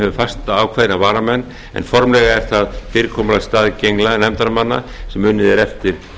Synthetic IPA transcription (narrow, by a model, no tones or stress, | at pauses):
hɛvʏfast̪aaːwkʰvaːðɾavaːɾamɛnː | ɛ̰nfɔɾmlɛɣaɛɾ̥θaðfɪːɾɪkʰɔːmalast̪aːðcejŋklanɛmt̪aɾmanːa̰sɛmːʏnːɪðɛɾɛft̪ɪɾ̥